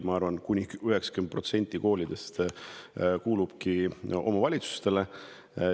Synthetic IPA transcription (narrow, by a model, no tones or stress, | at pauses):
mɑɑrvɑnkunʲiyɦe̞ksɑ̥kynd̪̚pro̞t̪se̞nʲt̪ʲːˑiko̞ːlʲid̪̥e̞st̪ | kuːlub̥kiʔo̞̰mɑvɑlʲit̪su̥st̪e̞le̞